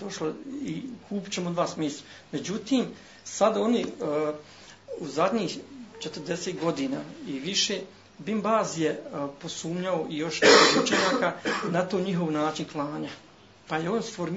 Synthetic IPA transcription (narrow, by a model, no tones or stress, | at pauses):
d̪oʃloikʰuːpi̥t͡ɕe̞mod̪ʋaːsmiːsa | me̞d͡ʑut̪iːm | sad̪o̞ni | uzad̪ɲiːxt͡ʃet̪əɾd̪e̞seːt̪̚ɡo̞d̪iːnaːiʋiʃeː | bimbaːzjepo̞suːmɲaoʔijo̞ʃniout͡ʃeɲaːkanat̪oːɲiɦo̞ʋnaːt͡ʃinklˠaːɲa | pajeoːnsfoɾm